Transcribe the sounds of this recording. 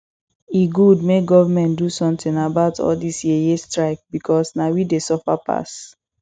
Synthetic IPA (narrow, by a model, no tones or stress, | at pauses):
iɡud̚meɡɔvamɛ̃ntdusɔ̃mtĩnabaʊtʰɔ̰ldisjiɛjestɹaɪk̚bikʰɔsnawidesɔfapʰa̰s